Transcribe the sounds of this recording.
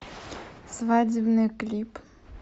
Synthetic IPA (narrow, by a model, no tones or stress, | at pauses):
svad͡zʲɪbnɨjklʲip